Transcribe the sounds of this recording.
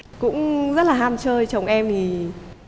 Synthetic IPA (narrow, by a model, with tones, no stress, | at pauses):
kʊ̰˧˥ŋ͡mzə˦˥t̚laː˨˩ɦaː˧mt͡ɕəː˧jt͡ɕə˨˩wŋ͡mʔɛ˧mt̪ʰi˨˩